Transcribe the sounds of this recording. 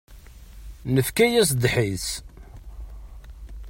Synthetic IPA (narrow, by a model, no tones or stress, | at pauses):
nəfkæjæs̬d̪ħis